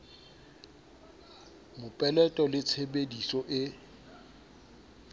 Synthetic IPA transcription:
mʊpʼɛlɛtʼɔlɪt͡sʰebedisɔʔɪ

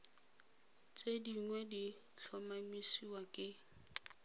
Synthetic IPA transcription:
t͡sʼediŋwɛdit͡ɬʰɔmamisiwakʼɪ

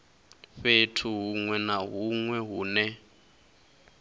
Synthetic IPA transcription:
ɸetʰuɦuŋwɛnaɦuŋwɛɦuːnɛ

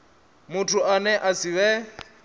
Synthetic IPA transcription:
mʊtʰʊʔanɛʔasiβɛ

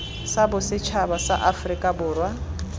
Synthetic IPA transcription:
sabʊsɪt͡ʃʰabasa̰ʔafrikʼabʊːrwa

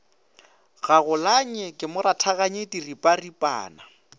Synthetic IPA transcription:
ɣaɣʊlaɲɛkʼɪmʊɾatʰaɣaɲetiripʼaripʼa̰ːna

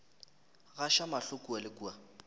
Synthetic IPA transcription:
ɣaʃamaɬʊkʼualɪkua

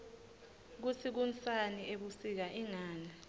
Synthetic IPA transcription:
k̬ut͡sʰik̬unsaniʔeɓusik̬aʔiŋaːna

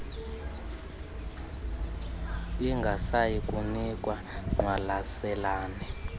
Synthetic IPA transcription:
iŋɡʱasajikʼunikʼwa | ŋwalasɛlaːni

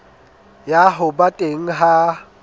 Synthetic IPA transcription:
jaɦʊbatʼeŋ̩ɦa

